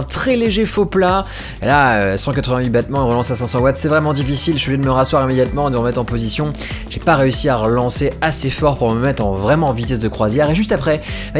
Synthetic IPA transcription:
ɛ̃t̪χɛleʒefopla | laøsɑ̃k̬at̪χəvɛ̃ɥibat̪mɑ̃eʁəlɑ̃sasɛ̃sɑ̃wat̪sɛvʁɛmɑ̃d̪ifisilʃyvəed̪əməʁaswaʁimed̪jat̪mɑ̃ed̪əʁəmɛt̪χɑ̃pozisjɔ̃ | ʒ̥epaʁeysiaʁəlɑ̃seasefɔʁpuʁməmɛt̪χɑ̃vʁɛmɑ̃vit̪ɛsd̪əkχwazjɛʁeʒyst̪apχɛbɛ

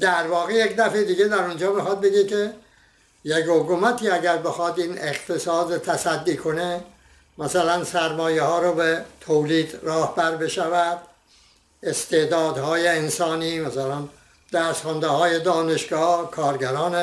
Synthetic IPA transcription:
d̪̥æɾvɒːɣejekd̪æfed̪iːɡed̪æɾund͡ʒɒːmexɒd̪̚beɡekʰe | jekhokumæt̪ʰiːæɟæɾbe̞xɒd̪iːneχt̪ʰesɒːd̪ot̪ʰæsæd̪ːiːkʰo̞ne | mæsælænsæɾmɒːjehɒːɾobet̪ʰoːliːd̪rɒːhbæɾbe̞ʃævæd̪ | est̪ʰe̞d̪ɒːd̪hɒːjeensɒːniːmæsælæn | d̪̥æːsxɑnd̪ehɒːje̞d̪ɒːne̞ʃɡɒːhkʰɒːɾɡæɾɒːne

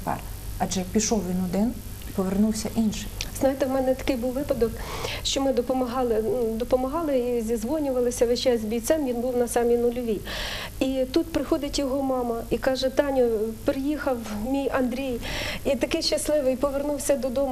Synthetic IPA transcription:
pɑ̰r | ɐʒɛjɐk̚pʲiʃɔwʋʲinʊd̪ɪn | pɔʋernuwsʲɐʔinʃɪjznɑjt̪ewmɛnɛt̪ɐ̥kɪjbuwʋɪpɐd̪ɔkʃt͡ʃɔmɪd̪ɔpɔmɐɦɑlˠɪnd̪ɔpɔmɐɦɑlˠɪizʲizʋɔnʲʊʋɐlˠɪsʲɐʋet͡ʃɛzʲbʲijt̪sɛmʋʲinbuwnɐsɑmʲinʊlʲʊʋʲi | it̪ut̪̚pɾɪxɔd̪ɪtʲjɔɦɔmɑmɐikɑʒɛt̪ɑnʲɔpɾɪjixɐwmʲijɐnd̪ɾʲijit̪ɐkɪjʃt͡ʃɐslˠɪʋɪjpɔʋernuwsʲɐd̪ɔd̪ɔm

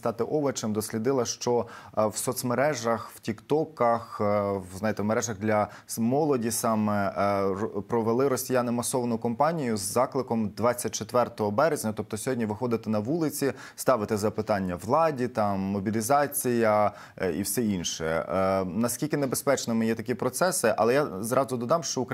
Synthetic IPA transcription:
st̪ɑt̪ɪʔɔʋɐt͡ʃemd̪ɔsʲlʲid̪ɪlˠɐʃt͡ʃɔwsɔt̪smeɾɛʒɐxwtʲikt̪ɔkɐxznɑjet̪ɛmeɾɛʒɐɣd̪lʲɐ | mɔlˠɔdʲisɑmɛ | pɾɔʋelˠɪɾɔsʲijanɪmɐsɔʋɐnʊkɔmpɑnʲijʊzːɑklˠɪkɔmd̪ʋɑt͡sʲːɐt̚ʲt͡ʃet̪ʋɛrt̪ɔɦɔbɛɾezʲnʲɐt̪ɔp̚t̪ɔsʲɔɦɔdʲnʲiʋɪxɔd̪ɪt̪ɪnɐʋulˠɪt͡sʲi | st̪ɑʋɪt̪ɪzɐpɪt̪ɑnʲːɐʋlˠɑdʲit̪ɑmːɔbʲilʲizɑt͡sʲijɐ | ḭwsɛinʃɛnɐskʲilʲkɪnebespɛt͡ʃnɪmɪjɛt̪ɐkʲipɾɔt̪sɛsɪʔɐ̰lˠɛjazɾɑzʊd̪ɔd̪ɑmʃt͡ʃɔʊk

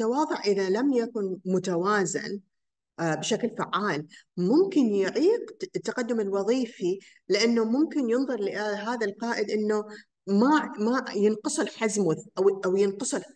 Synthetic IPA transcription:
t̪ːɑwɑːðˤʊʕʔɪðalamjakʊnmʊt̪awaːzɪ̰n | bɪʃaklfa̰ʕːaːlmʊmkɪnjɪʕiːqt̪ːaqad̪ːʊmɪlwɑðˤiːfi | lɪʔanːomʊmkɪnjɨnðˤʊɾˤlɪʔɦaːðalqɑːʔɪd̪ʔɪnːo | mamajɪnqɑsˤɨlħazmʊðʔaʔawjɪnqsˤl

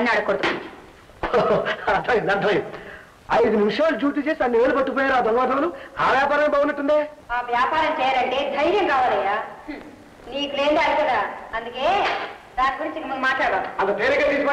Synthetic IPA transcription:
ɐnːaɽɐkːoɽd̪u | oɐd̪ʱɐjunɐd̪ʱɐju | ɐjd̪uminuʂaːlud͡ʒuːʈ̪̬it͡ʃe̞ːsiɐnːiʋeːlupɐʈːup̬ɔːjaːɾaːd̪ɔnʋaːd̪ʱɐmlua̰ːʋjaːpaːɾɐnɐbaːunɐʈːund̪eːaːʋjaːpaːɾɐmt͡ʃɛːjaɾɐɳɖid̪ʱɐjɾjɐmkaːʋaːlɐjːaː | niːkuleːnd̪aːlukɐd̪aːɐnd̪ukeː | d̪aːnɡuɾiɲt͡ʃikmɐɡumaːʈlaːɽɽaːuɐlɐt̪eːɾikɐt̪iːsma

